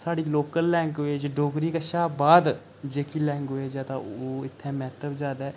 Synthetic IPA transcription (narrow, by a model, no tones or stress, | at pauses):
saːɽiːloːkəlːɛ̃ːŋkʋeːd͡ʒɖoːɡɾiːkəʃaːbaːd̪ | d͡ʒeːkiːlɛ̃ːŋkoeːd͡ʒɛːt̪ã̰oːɪt̪ʰːẽːmɛːt̪əbd͡ʒaːd̪aɛː